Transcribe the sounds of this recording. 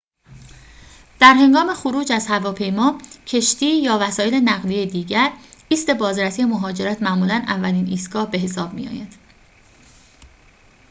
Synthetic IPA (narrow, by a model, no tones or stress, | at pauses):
d̪̥æɾhe̞ŋɡɒːme̞xoɾuːd͡ʒæzhævɒːpʰe̞jmɒːcʰe̞ʃt̪iːjɒːvæsɒːjele̞næɣlijejed̪iːɟæɾiːst̪e̞bɒːzɾæsije̞moɦɒːd͡ʒe̞ɾæt̪ʰmæʔmuːlænævːæliːniːst̪ɡɒːhbe̞ɦe̞sɒːb̥mḭjɒ̰ːjænd̪̥